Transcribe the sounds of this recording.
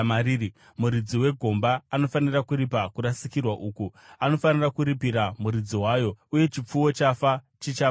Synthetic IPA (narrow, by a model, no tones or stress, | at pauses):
aɾii | muɾid͡ziwe̞ɡʱo̞mbaːno̞fanirakuɾipakuɾasikirwaʔuːkuano̞fanirakuɾipiɾamuɾid͡ziwajo̞uje̞t͡ʃip͡fuwo̞t͡ʃafa | t͡ʃit͡ʃa